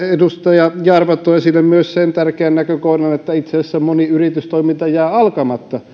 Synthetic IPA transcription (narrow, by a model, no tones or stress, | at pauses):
edust̪ɑjɑjɑrʋɑt̪ːˑoesilːemmyøssent̪ærkeænnækøkohnɑnet̪ːæit̪seæsːæmmoniyrit̪yst̪oimint̪ɑjæːɑlkɑmɑt̪ːɑ